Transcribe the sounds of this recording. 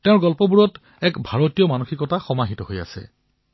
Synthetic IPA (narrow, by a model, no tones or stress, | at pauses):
tɛʊ̃ɹɡɔlpɔbuɹɔt | ɛkbʱaɹotijɔmanuxikɔtaxɔmaɦitɔɦoja̰sɛ̰